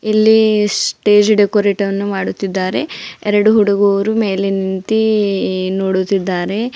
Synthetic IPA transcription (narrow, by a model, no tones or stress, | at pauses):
ilːisʈe̞ːd͡ʒɖekoːɾeːʈɐʋɐnːumaːɽut̪ːid̪ːaːɾe̞ɛɾɐɽuɦuɽuɡɔʋɾume̞ːlenint̪i | noːɽut̪ːid̪ːaːɾe̞